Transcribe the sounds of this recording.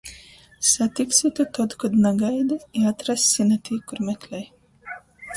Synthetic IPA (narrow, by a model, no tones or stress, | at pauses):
sat̪iksit̪ut̪ɔd̪kad̪naɡajd̪ɨiat̪ɾasːʲinat̪ʰiːkuɾmʲɛklʲɛj